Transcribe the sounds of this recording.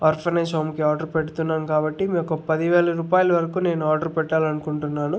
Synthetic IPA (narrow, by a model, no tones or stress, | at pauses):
aːɾpʰɐneːsoːmkiaːɾɖɐɾpeʈut̪unːaːmkaːbɐʈːimeːkːopːɐd̪iʋeːɭɐɾuːpaːjɐlɐʋɐɾɐkuːne̞ːnuaːɾɖɐɾpɛʈːaːlɐnukuɳʈunːaːnu